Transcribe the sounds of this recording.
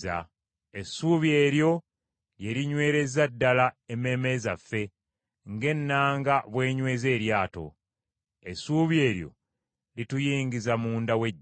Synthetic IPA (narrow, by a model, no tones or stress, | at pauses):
a̰ | esuːβje̞ːɾjo̞ | lje̞liɲwe̞ːɾe̞zadːalaeme̞ːme̞zafːe̞ | ŋɡe̞nːaːŋɡaβwe̞ːɲwe̞ːze̞ːɾjaːto̞̰ | esuːβje̞ːɾjo̞̰ | litujiːŋɡizamuːndawe̞ː